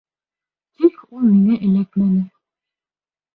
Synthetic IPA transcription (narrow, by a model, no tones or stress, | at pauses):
t̪ʰikulˠmiŋæʔɘ̆læk̪mænɘ